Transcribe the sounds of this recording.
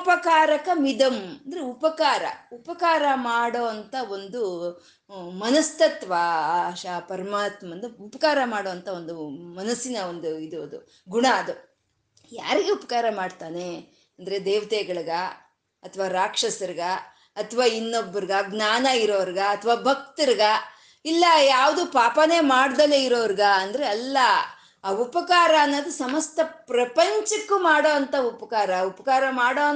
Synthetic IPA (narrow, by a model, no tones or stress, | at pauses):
upɐkaːɾɐkɐmid̪ɐmɐnd̪ɐɾeupɐkaːɾɐ̰upɐkaːɾɐmaːɽoːɐnt̪ɐo̞nd̪u | mɐnɐst̪ɐt̪ʋaːʃapɐɾɐmaːt̪mɐnd̪ɐupɐkaːɾɐmaːɽoːʋɐnt̪ʰɐo̞nd̪umɐnɐsinɐond̪uid̪uɐd̪ṵ | ɡuɳaːd̪u | jaːɾiɡeupɐkaːɾɐmaːɽt̪aːne | ɐnd̪ɐɾed̪eːʋɐt̪eːɡɐɭɐɡɐ | ɐt̪ʰɐʋaːɾaːkʂɐsɐɾiɡɐ | ɐt̪ʰɐʋaːinːobːɐɾiɡɐɡnaːnɐiɾoːʋɐɾiɡɐɐt̪ʰɐʋaːbʱɐk̚t̪iɾiɡɐ | ilːɐjaːʋɐd̪upaːpɐneːmaːɽd̪ɐleiɾoːʋɐɾiɡɐɐnd̪ɐɾeɐlːɐ | upɐkaːɾɐːnːoːd̪usɐmɐst̪ʰɐpɾɐpɐɲt͡ʃɐkːumaːɽo̞ːɐnt̪ɐupɐkaːɾɐupɐkaːɾɐmaːɽoː